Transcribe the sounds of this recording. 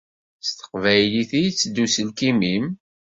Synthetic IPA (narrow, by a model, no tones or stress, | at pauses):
st̪ə̥qvæjliθijt͡sːd̪ːusəlkimim